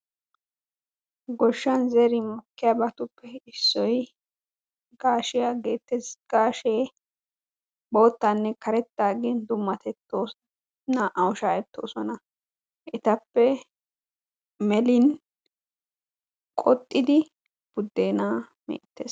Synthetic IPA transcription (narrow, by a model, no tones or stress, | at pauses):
ɡɔʃːɐnzɛɾɪmʊkːɪjaːbɐt̪ʊpːɛɪsːɔj | ɡ̥aːʃɪjaɡe̞ːt̪ːɛsɡ̥aːʃeː | bo̞ːt̪ːɐnːɛkɐɾɛt̪ːaːɡend̪ʊmːɐt̪ɛt̪ːoː | nɐʔɐwʊʃaːjɛt̪ːo̞̰ːsɔnɐ | ʔɪt̪ɐpːɛ | mɛlɪn | kʼɔt̪ʼːɪd̪ɪ | b̥ʊd̪ːe̞ːnaː | mḛːt̪ːḛːs